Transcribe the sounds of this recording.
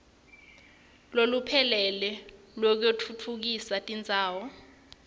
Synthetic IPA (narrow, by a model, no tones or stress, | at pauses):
lolupʰɛlɛlɛ | lɔk̬etʰutʰuk̬isatʼind͡zʱaːwɔ